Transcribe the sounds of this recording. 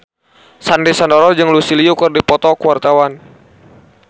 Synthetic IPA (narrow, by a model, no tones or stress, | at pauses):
sandisandɔɾɔd͡ʒɨŋlusiliukɨrdipɔt̪ɔkuwart̪awan